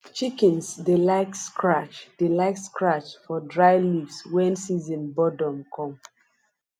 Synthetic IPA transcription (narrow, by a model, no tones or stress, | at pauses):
t͡ʃikɛ̃nsdilaɪkskʰɹat͡ʃd̥ilaɪtskɹat͡ʃfɔdɹaɪlivswɛ̃nsizɔ̃nbɔdɔ̃mkʰɔ̃m